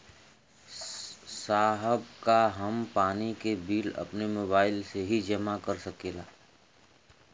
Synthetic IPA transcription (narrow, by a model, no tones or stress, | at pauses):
saːɦəb̚kaɦɐmpaːnikebiːlɐ̰pnemoːbaːɪlseɦid͡ʒɐmakɐɾsɐkeːlaː